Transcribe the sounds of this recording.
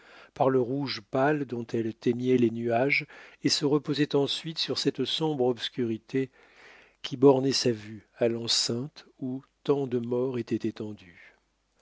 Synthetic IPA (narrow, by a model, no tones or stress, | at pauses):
paʁləʁuʒpald̪ɔ̃t̪ʰɛlt̪ɛɲɛlenyaʒesəʁəpozɛt̪ɑ̃sɥit̪syʁsɛt̪sɔ̃bʁɔpskʲyʁit̪ʰe | kʲʰibɔʁnɛsavyalɑ̃sɛ̃t̪ut̪ɑ̃d̪əmɔʁet̪ɛt̪et̪ɑ̃d̪y